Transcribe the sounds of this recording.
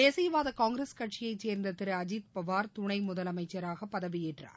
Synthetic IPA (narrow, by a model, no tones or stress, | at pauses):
eːsɐjɐʋaːðɐkaːŋɡɪɾɐskɐʈ̚t͡ʃɪjɐɪt͡ʃeːɾnd̪ɐt̪ɪɾɯɐd͡ʒit̪pɐʋaːɾt̪ʊɳɐɪmʊðɐlɐmɐɪt͡ʃːɐɾaːɣɐpːɐðɐʋɪjɛʈra̰ːɾ